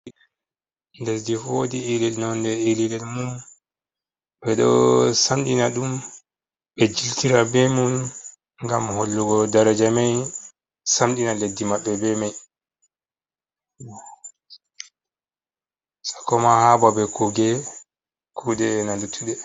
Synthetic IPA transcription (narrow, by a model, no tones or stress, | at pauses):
ndɛldifodiilɛlnɔndɛililɛlmun | bɛɗɔ̰samɗinaɗum | bɛd͡ʒiltiɾabɛmun | ŋɡamholːuɡɔdaɾad͡ʒamaj | samɗinaledːimaɓːɛbɛmaj | sḁkɔmahababɛkuɡɛ | kʰudɛːnalutʰːuɗɛ